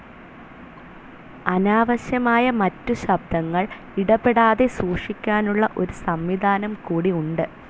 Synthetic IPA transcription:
ɐnaːʋɐɕjɐmaːjɐmɐtːuɕɐb̚d̪ʱɐŋːɐɭ | iɽɐpːe̞ɽaːðe̞suːʂikʲːaːnuɭːɐʔo̞ɾusɐmʋid̪ʱaːnɐmkuːɽiuɳɖɨ

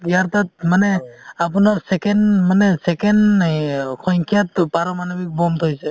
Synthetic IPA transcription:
ijaɾt̪at̪̚manɛap̬unaɾsɛkɛnmanɛsɛkɛn | kʰɔjŋkʰijat̪paɾɔmanɔbik̚bɔmt̪ʰojsɛ

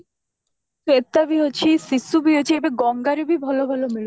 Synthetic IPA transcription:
set̪ːabiɦot͡ɕʰisisubiɦot͡ɕʰiebeɡɔŋɡaɾibibʱɔlobʱɔlomiɭu

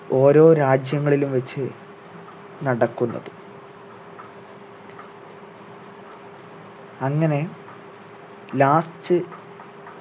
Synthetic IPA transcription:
o̞ːɾo̞ːɾaːd͡ʑjɐŋːɐɭilumʋet͡ɕːɨ | nɐɽɐkːunːɐ̰ðɨ | ɐŋːɐne̞ | laːstɨ

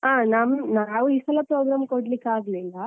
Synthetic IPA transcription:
aːnamnaaːʋuiːsɐlɐpɾoːɡɾaːmkoɽlikːaːɡlilːɐ

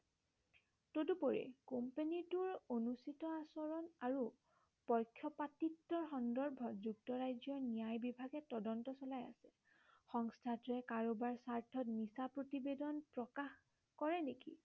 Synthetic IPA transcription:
todupɔɹɛ̰kompenituɹonusitɔasɔɹɔnaɹu | pɔjkʰːjɔpatitːɔɹxɔndɔɹbʱɔtzuk̚tɔɹajzjɔnijajbibʱaɡɛtɔdɔntɔsɔlaja̰sɛ̥ | xɔŋstʰatɹɛkaɹobaɹsaɹtʰɔtnisapɹotibedɔnpɹɔkax | kɔɹɛnekḭ

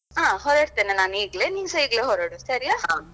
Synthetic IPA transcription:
ɦãːɦɔɾeɾt̪enenaːniːɡleːniŋsɐiɡleɦɔɾeɽusɐɾijaɦã

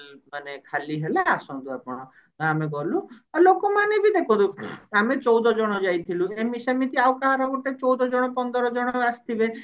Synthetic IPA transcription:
manekʰaliɦelaasɔnd̪uapɔɽ̃ɔ | ameɡɔluaɾlokɔmanebid̪ekʰũd̪uamet͡ʃɔwd̪ɔd͡ʒɔɽ̃ɔd͡ʒajt̪ʰiluemisemit̪ʰiawkaɦaɾɔɡoʈet͡ʃɔwd̪ɔd͡ʒɔɽ̃ɔpɔnd̪ɔɾɔd͡ʒɔɽ̃ɔast̪ʰibe

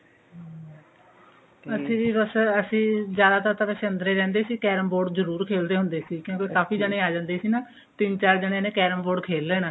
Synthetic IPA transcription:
əsĩːbəsəsĩːd͡ʒjaːd̪aːt̪əɾt̪aːpɛːseənd̪ɾeːɾɛ̃ːnd̪eːsiːkɛːɾəmboːɖzəɾuːɾkʰeːld̪eːɦʊnd̪eːsiːkjõːkikaːpʰiːd͡ʒaːɽẽːaːd͡ʒãːnd̪eːsiːnaː | t̪ɪmt͡ʃaːɾd͡ʒəːɽ̃ẽːnẽːkɛːɾəmboːɖkʰeːlːeːnaː

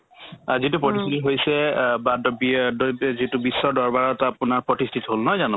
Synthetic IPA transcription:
azitupɹɔtistʰititɦojsɛbadɔbidzitʊbisːɔdɔɹbaɹɔtapʊnaɹpɹɔtistʰitiɦolnɔjzanɔ

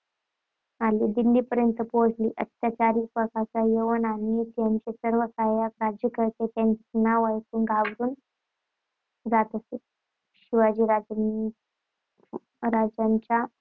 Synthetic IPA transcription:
alid̪ind̪iːpəɾjənt̪əpoɽlḭʔət̪ːjat͡ɕaɾiːkpɾəkasajeʋənanet̪jaɲt͡ɕesəɾʋəsajakɾad͡ʑjəkəɾt̪et̪jaɲt͡snaʋajsuːnɡʱaʋɾuːn | d͡zat̪əse | ɕiʋad͡ʑiːɾad͡ʑ | ɾad͡ʑjaɲt͡ɕa

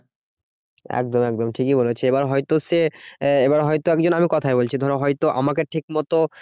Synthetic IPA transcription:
ɛ̰k̚d̪omɛk̚d̪omʈʰikibolet͡ɕʰeebaɾɦɔjt̪oseebaɾɦɔjt̪oɛkd͡ʑonamikɔt̪ʰaebolt͡ɕʰid̪ʱɔɾoɦɔjt̪oʔa̰makeʈʰik̚mɔt̪o

